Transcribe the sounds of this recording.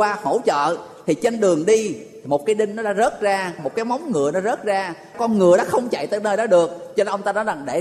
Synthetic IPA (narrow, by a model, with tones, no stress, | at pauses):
waː˧ho˧˩t͡ɕə̰ː˧˨t̪ʰi˨˩t͡ɕe˧nɗɨ˨˩əŋɗi˧˨˩ | mo˨˩t̚kaː˨˦jɗï˧ŋ̟nɔ˨˦ɗa̰ː˨˦˥zə˦˥t̚zaː˧mo˨˩t̚kaː˨˦jmɔ˨˦wŋ͡mŋɨ˨˩əjnɔ˨˦zə˦˥t̚zaː˧ | kɔ˧nŋɨ˨˩əɗɔ˨˦xə˧wŋ͡mt͡ɕa̰˧˨jt̪ə̰˧˩nəː˧jɗɔ˨˦ɗɨ˨˩ək̚t͡ɕɔ˧ʔə˧wŋ͡mt̪aː˧nɔ˨˦jza˨˩ŋɗe˧˩